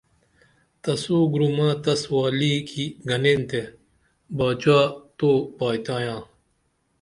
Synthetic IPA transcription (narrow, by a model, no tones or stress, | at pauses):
t̪ɐsoːɡɾumãːt̪ɐswaːliːkʰiɡʱɐnent̪e | baːt͡ɕaːt̪oːpaːjt̪ãːjãː